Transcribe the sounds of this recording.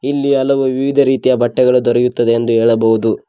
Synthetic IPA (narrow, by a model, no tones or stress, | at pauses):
ilːiɐlɐʋuʋiʋid̪ʱɐɾiːt̪ijɐbɐʈːɛɡɐɭud̪ɔɾɐjut̪ːɐd̪eːnd̪uɦeːɭɐbɐʋud̪u